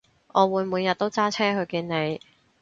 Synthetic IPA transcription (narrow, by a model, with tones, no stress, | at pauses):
ʔɔː˨˧wuː˨˧jmuː˨˧njɐ˨t̚t̪o˥wt͡saː˥t͡sʰɛː˥ɦɵ˨˧ɥkiː˧nne˨˧j